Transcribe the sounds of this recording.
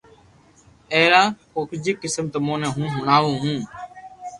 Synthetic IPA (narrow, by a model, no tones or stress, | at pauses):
eːɾaːkoːkʰd͡ʒiːkɪsmt̪əmõːnẽːɦũːɦʊɳaːʋũːɦũː